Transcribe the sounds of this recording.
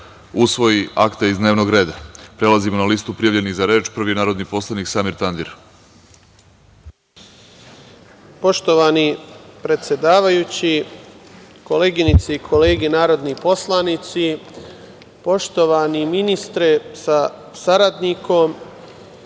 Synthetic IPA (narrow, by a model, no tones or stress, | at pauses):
usʋo̞jiʔa̰kt̪eizd̪ne̞ːʋno̞ɡɾe̞ːd̪apɾe̞lˠazimo̞nalist̪upɾijaʋʎe̞niɣzaɾeːt͡ʃpr̩ʋinaːɾo̞d̪nipo̞slˠaniksaːmiɾt̪and̪iɾ | po̞ʃt̪o̞ʋaːnipɾe̞t̪sje̞d̪aːʋajuːt͡ɕi | koleːɡinit̪seikʰo̞le̞ːɡenaːɾo̞d̪nipo̞slˠanit̪si | po̞ʃt̪o̞ʋaːniminist̪ɾesa | saɾad̪niko̞m